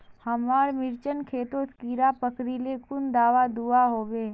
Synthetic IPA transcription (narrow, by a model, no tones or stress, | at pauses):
həmaːɾmɪɾt͡ʃənkʰeːt̪oskiːɾapəkɾilekʊnd̪aːʋad̪uaɦoːʋeː